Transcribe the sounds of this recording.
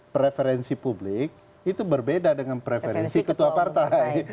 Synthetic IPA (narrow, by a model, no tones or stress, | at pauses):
pɾefeɾɛnsipublɪk̚ | it̪ubərbedadəŋanpɾefeɾɛnsikət̪uapart̪aj